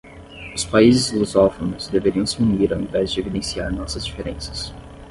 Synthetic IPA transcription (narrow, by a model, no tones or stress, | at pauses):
ʊspaizɪzluzɔfonʊzd̪eveɾiɐ̃w̃sɪũniɾawẽvɛzd͡ʒɪevid̪ẽsiaɾnɔsɐzd͡ʒifeɾḛ̃sɐ̥s